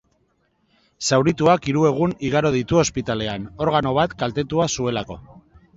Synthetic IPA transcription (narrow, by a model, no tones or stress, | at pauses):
sawɾit̪uakiɾue̞ɣ̞uniɣ̞aɾo̞ð̞it̪uo̞spit̪ale̞ano̞ɾɣ̞ano̞β̞at̪kalt̪e̞t̪uasue̞lako̞̰